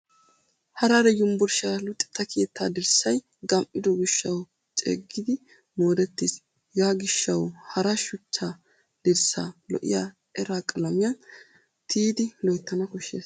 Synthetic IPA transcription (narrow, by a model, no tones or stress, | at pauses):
hɐɾɐɾɛjʊmbʊɾʃaːlʊt̪ʼːɪ̥t̪ːɐkʰeːt̪ːaːd̪ɪɾsɐj | ɡɐmʔːɪd̪ɔɡɪʃːɐw | t͡ʃʼḛːɡːɪd̪ɪ | moːd̪ɛt̪ːiːs | jaːɡɪʃːɐwhɐɾɐʃʊt͡ʃːaː | d̪̥ɪɾsa̰ːlɔ̰ʔɪ̰jaː | ɛɾaːkʼɐlɐmɪjɐn | t̪ʰiːd̪ɪlɔjt̪ːɐnɐkɔʃːḛːs